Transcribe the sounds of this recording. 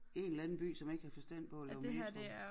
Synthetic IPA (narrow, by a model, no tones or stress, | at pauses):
e̝nlænn̩b̥y̰ːsɒ̽me̝ɡ̥əhæfɒ̽sd̥æn̰d̥̚pʰɒ̽ælɛʊiseæ